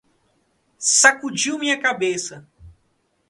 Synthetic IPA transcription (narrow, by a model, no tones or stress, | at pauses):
sakud͡ʒiwmĩɲɐkabesɐ